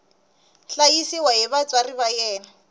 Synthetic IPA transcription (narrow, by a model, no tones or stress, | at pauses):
ɬajisiwaɦiβat͡sʼwariβajɛːna